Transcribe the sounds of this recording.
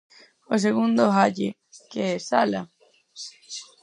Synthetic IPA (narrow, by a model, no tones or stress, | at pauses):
os̬eɣund̪oɦaʎḛ | keɛsala